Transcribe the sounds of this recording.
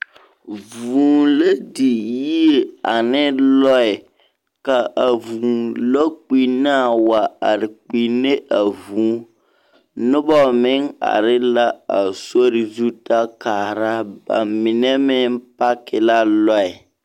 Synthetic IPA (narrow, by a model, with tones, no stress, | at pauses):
vuː˨le˦di˨ji˦e˨a˨nɪ˦lɔ˦ɪ˨ | ka˨a˨vu˨lɔ˦k͡pi˨na˦˨wa˨a˨ɾɪ˨k͡pi˨ne˦ʔa˨vuː˨˦ | nʊ˦bɔ˦˨mɪ˦ŋa̰˨ɾɪ˦la˦a˨so˦ɾɪ˨zu˦ta˦kaː˨ɾa˦ba̰˨mɪ˨nɛ˦mɪ˦npa˦kɪ˨la˦lɔ˦ɪ˨